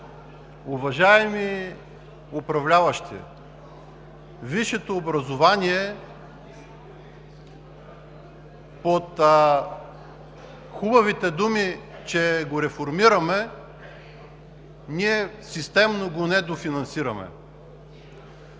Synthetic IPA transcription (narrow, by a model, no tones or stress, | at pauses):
ʊvɐʒaɛmi | opɾɐvlʲavɐʃt̪ḭ | viʃɛt̪oːbɾɐzovaniɛ | pot̪ | xubɐvit̪ɛd̪umit͡ʃɛɡoɾɛfoɾmiɾɐmɛ | niɛsist̪ɛmnoɡonɛd̪ofinɐnsiɾɐmɛ̰